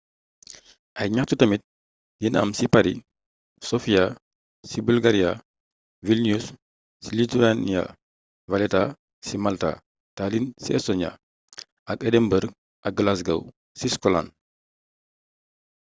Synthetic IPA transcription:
ʔɐjɲatutɐmit̚ | jinɐ̰msipaɾi | sɔfija | sibulɡaɾija | vilniusː | ilituania̰ | valɛta | simalta̰ | talinsiɛsɔɲa̰ | ɐkɛdɛmbəɾ | ʔɐk̚ɡlas̬ɡɐ̰w | siskɔla̰n

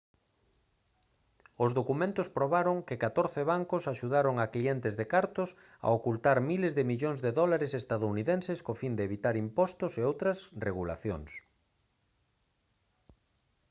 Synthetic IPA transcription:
ozðokumẽnt̪ʊspɾoβaɾoŋkɪkat̪oɾθɪβaŋkʊsaʃuðaɾoŋaklient̪ɪzðekaɾt̪ʊs | a̰okult̪aɾmilezðɪmiʎoŋzðeðɔlaɾesest̪aðouniðenseskofind̪eːβit̪aɾimpɔst̪ʊseowt̪ɾɐsreɣula̰θjoŋs

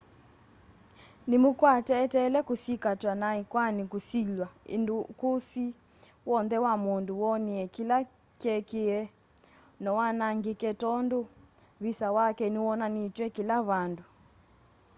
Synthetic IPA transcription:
nimukwatɛːtɛlɛkusikatwanaikwanikusilwaendukusi | wɔnðɛwamonduwɔniɛkila | kɛkeɛ | nɔwanaŋɡikɛtɔndo | βisawakɛniwɔnanitwɛkilaβandu

